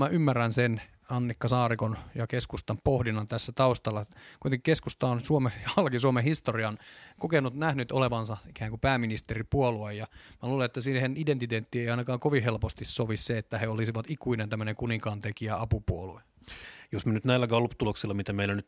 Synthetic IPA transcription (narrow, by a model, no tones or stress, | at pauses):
mæʔymːærænsen | ɑnːikːɑsɑːrikonjɑkeskust̪ɑmpohdinɑnt̪æsːæt̪ɑust̪ɑlːɑkuit̪eŋki̥keskust̪ɑonsuomeɑlkisuomehist̪oriɑnkokenːut̪næhnyt̪oleʋɑnsɑikæːŋkupæːminist̪eripuoluejjɑmæluːleet̪ːæsihenident̪it̪eːt̪ːiːeiɑinɑkɑːŋkoʋiɦelpost̪issoʋisseet̪ːæheolisiʋɑt̪ikuinent̪æmːøneŋkuniŋkɑːnt̪ekiæɑpupuolue | josmenyt̪næilːæɡɑlːupt̪uloksilːɑmit̪æmeilænyt̪